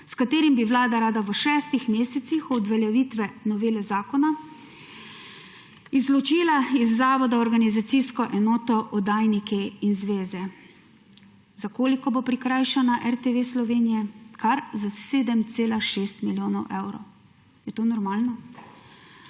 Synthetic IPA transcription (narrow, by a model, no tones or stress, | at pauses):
skat̪eːɾimbiʋlaːd̪aɾaːd̪aʋəʃɛːst̪ixmeːsɛt̪sixɔd̪ʋɛljɛʋiːt̪ʋɛnɔʋeːlɛzaːkɔna | izlɔt͡ʃiːlaizːaːʋɔd̪aɔɾɡanizat̪siskɔʔɛnɔːt̪ɔʔɔd̪aːjnikɛinzʋeːzɛ | zakoːlikɔboːpɾikɾajʃanaʔɛɾt̪eʋeslɔʋeːnijɛkʰaɾzaseːd̪əmt̪seːlaʃeːst̪miljoːnɔwʔewɾɔ̰w | jɛt̪oːnɔɾmaːlnɔ